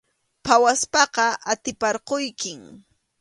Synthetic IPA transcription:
pʰawaspɑqɑʔat̪ɪpɑɾqojkɪŋ

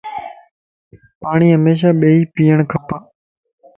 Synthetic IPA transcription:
paːɳ̃iːɦəmeːʃ̬aːɓeːiːpiːəɳ̃kʰəpaː

